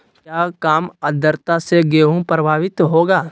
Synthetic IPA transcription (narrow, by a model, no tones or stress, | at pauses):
kjaːkaːməd̪ʱəɾt̪aseɡeːɦũpɾəbʱaːʋɪt̪ɦoːɡaː